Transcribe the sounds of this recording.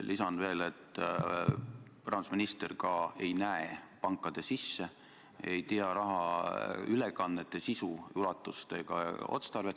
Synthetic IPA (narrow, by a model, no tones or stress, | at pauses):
lʔisɑnve̞ːle̞t̪ːˑ | prʔɑn̥sminist̪erkɑe̞jnæepɑŋkːˑɑd̪̥e̞sisːe | ejt̪iɑɾɑɦɑ | ylekɑnːet̪ːˑe̞sisujulɑt̪ːˑust̪e̞ɡ̥ɑ̰o̰t̪st̪ɑrve̞t̪ːˑ